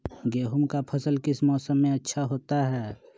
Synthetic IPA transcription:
ɡeːɦʊmkapʰɐsəlkɪsmɔːsəmːẽɐtːʃʰaɦoːt̪aɦɛː

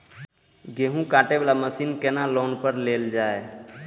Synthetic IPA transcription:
ɡeːɦũkaːʈebaːlaməsiːnkenaloːnpəɾleːld͡ʒaːe

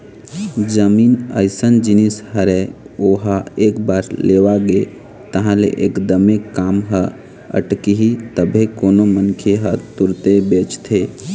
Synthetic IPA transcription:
d͡ʒəmiːnə̰ɪsənd͡ʒɪnishəɾeoɦaeːkbaːɾleːʋaɡe | t̪əɦãlḛʔḛːkd̪əmekːaːmɦə | ə̰ʈkiɦit̪əbʱekoːnomənkʰeɦət̪ʊɾt̪ebeːt͡ʃt̪ʰe

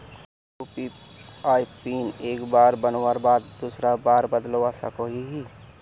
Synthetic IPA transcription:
upiaːipiːneːkbaːɾbənwaɾbaːd̪d̪uːsɾabaːɾbəd̪loasa̰koɦiɦi

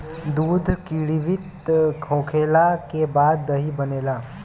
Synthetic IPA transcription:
d̪uːd̪ʱkiːɽiʋɪt̪ | kʰõːkʰeːlakebaːd̪ːəɦibəneːlaː

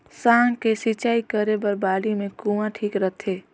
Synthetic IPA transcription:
saːŋkesit͡ʃaːikəɾebəɾbaːlimẽkuʋãʈʰiːkɾət̪ʰeː

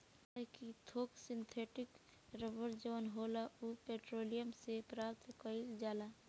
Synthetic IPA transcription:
ekit̪ʰoːksɪ̃nt̪ʰeːʈɪk | ɾəbəɾd͡ʒəʋənɦoːlaupeːʈɾoːlijəmsepɾaːp̚t̪kəild͡ʒaːla

